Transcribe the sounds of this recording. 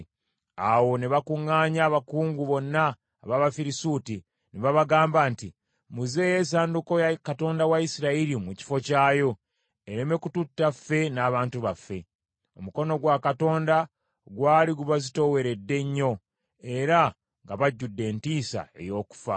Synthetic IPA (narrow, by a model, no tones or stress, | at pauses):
awo̞neβakuŋːaːɲaːβakuːŋɡuβo̞nːaː | βaβafiɾisuti | neβaβaɡaːmbaːnti | muze̞jeːs̬aːnduko̞jakato̞ːndawaisiɾaiɾimuci̥fo̞caːjo̞ | eɾeme̞kututːafːe̞naːβaːntuβafːe̞ | o̞̰muko̞no̞ɡwakato̞ːnda | ɡwaːliɡuβazito̞we̞ɾe̞dːe̞ɲːo̞ | e̞ɾa | ŋɡaβaɟːudːe̞ːntiːsa̰e̞̰jo̞ːku̥fa